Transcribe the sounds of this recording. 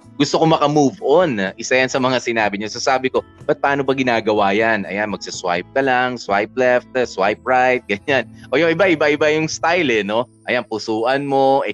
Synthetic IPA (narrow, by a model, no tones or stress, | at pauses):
ɡʊst̪oko̞mɐkɐmuːvonʔɪsajɐnsɐmɐŋasɪnaːbɪɲosɐsaːbɪko̞ | bɐt̪̚paːnobɐɡɪnaːɡɐwaːjɐnʔɐ̰janmɐɡ̥̚sɐswa̰jp̚kɐlaŋswajp̚lɛft̪̚swajp̚ɹajt̪̚ɡɐɲanʔo̞jʊŋɪbaʔɪbaʔɪbajʊŋst̪ajlɛno̞ʔɐjanpʊsuːʔɐnmo̞ʔɛ